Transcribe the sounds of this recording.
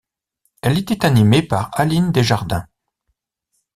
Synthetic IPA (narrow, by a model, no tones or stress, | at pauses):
ɛlet̪ɛt̪animepaʁalind̪eʒaʁd̪ɛ̰̃